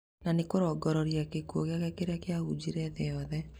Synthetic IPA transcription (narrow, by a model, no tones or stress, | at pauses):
nanekoɾɔɡɔɾɔɾiakekuɔɣeaɣakeɾeakeaud͡ʒiɾɛðejɔðɛ